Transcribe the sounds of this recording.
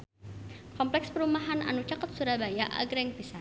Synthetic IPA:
kɔmplɛkspəɾumaɦana̰nut͡ʃakət̪̚suɾabajaʔa̰ɡɾɛŋpisan

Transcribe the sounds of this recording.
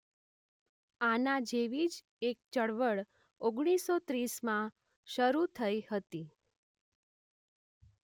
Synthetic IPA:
anad͡ʒeʋid͡ʒ | ek̚t͡ʃəɭʋəɭ | oɡɽ̃isot̪ɾismã | ʃəɾut̪ʰəihət̪i

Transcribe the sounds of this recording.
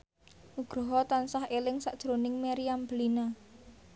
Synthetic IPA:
ʔuɡ̥ɾɔɦɔt̪ansahelɪŋsa̰ʔd̥ɾonɪŋmeɾiamblina

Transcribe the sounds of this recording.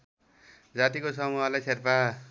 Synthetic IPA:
d͡zat̪ikosʌmuɦʌlajsʰerpa

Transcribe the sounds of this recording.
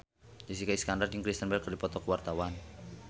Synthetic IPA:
d̥is̬ikaiskandarəŋkɾist̪ənbərkːərdipɔt̪ɔkəwart̪awan

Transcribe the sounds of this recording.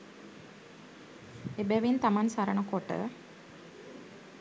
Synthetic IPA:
ebɛʋint̪amansaɾəɳəkoʈə̰

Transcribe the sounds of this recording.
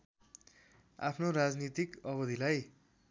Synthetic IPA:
a̰pʰnoɾad͡znit̪ikʌbʌd̪ʱilaj

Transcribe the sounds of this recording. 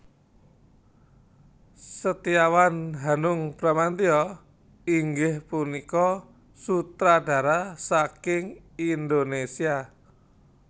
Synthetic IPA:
sət̪iawanɦanʊŋpɾamant̪iɔ | iŋɡɪhpunikɔ | sut̪ɾaɖ̥a̤ɾasakɪŋind̪onesia

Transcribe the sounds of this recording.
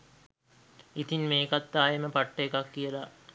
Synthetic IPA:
it̪inmeːkat̪ːaːjeməpaʈːəekakːijəla

